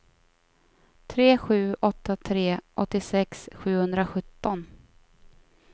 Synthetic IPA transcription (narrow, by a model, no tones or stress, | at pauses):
t̪ʰɾeːɧʉ̟ːʔɔt̪ːat̪ʰɾeːʔɔt̪ːɪsɛksɧʉ̟ːhɵnd̪ɾaɧɵt̪ːɔn